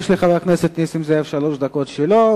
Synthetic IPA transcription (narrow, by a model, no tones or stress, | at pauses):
fʃleχaveakneset̪nisimzeefʃaloʃd̪akot̪ʃelo